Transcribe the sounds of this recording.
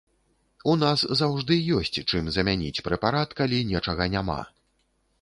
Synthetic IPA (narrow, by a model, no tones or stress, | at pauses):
unaszawʐd̪ɨjɔsʲt͡sʲt͡ʂɨmzɐmʲanʲḭt͡sʲpɾɛpaɾat̪kalʲinʲɛt͡ʂɐɣɐnʲama̰